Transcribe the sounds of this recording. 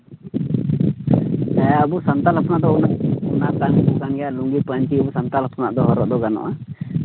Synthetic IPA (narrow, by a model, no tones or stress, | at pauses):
əbusənt̪alapnaʔd̪ɔunaʔunakanbukanɡɛjaʔluŋɡipənt͡ʃiubusant̪alapʰna̰ʔd̪ɔɦɔɾɔʔd̪ɔɡanɔ̰ʔa